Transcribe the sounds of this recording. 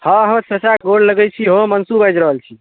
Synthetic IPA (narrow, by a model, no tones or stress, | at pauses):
həɦəmsesaɡoɽləɡɛjt͡ʃʰiɦomənsubajd͡ʒɾəɦəlt͡ʃʰi